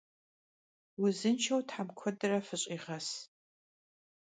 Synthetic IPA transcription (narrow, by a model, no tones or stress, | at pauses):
wʊzɨnt͡ʃʰɐwtħamkʷʰɔdɨrɐfɨɕʼiʁɐs